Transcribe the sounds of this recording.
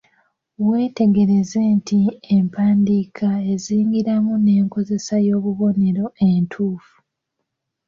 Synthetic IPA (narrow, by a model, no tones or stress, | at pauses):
we̞ːte̞ɡe̞ɾe̞ze̞ntʰiempʰaːndikʰae̞ziːŋɡiɾamune̞ːŋko̞ze̞sajo̞ːβuβo̞ne̞ɾo̞e̞ntʰuːfu̥